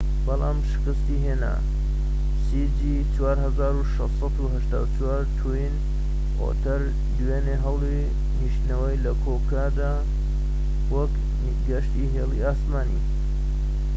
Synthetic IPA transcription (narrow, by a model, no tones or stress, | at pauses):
bɐlˠa̰ːmʃɪ̥kɨst̪iɦeːna̰ | sid͡ʒi | t͡ʃwaːɾɦɐzaːɾuʃɐssˤɑt̪uɦɐʃt̪a̰ːwt͡ʃʰwaɾt̪ʰujin | ʔo̰t̪ʰɐɾ | d̪weːneɦɐwli | niʃnɐwəjlɐkʰoːkad̪a | wɐk | ɡɐʃt̪iɦeːlˠiaːsmaːnḭ